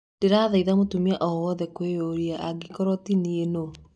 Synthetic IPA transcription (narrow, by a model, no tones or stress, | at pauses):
d̥eɾaːðaiðamotumiaʔɔwɔðɛkweoɾiaʔaɡikɔɾɔtinieno